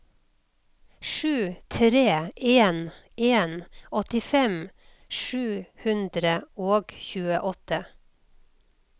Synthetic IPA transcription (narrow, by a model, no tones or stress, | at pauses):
ʃʉːt̪ʰɾeːeːnʔeːnɔt̪ɪfɛm | ʃʉːhʉnd̪ɾəoːɡçʉːəʔɔt̪ə